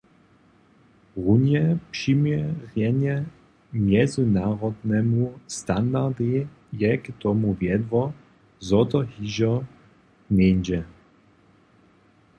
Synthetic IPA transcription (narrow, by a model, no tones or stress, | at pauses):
ʁunjɛpʂimʲjɛʁjɛɲɛ | mʲjɛzɘnaʁɔd̪nɛmust̪and̪aʁd̪i | jɛkt̪ɔmuvʲjɛd̪vɔ | zɔt̪ɔhiʑɔ | nʲɛnʲd͡ʑɛ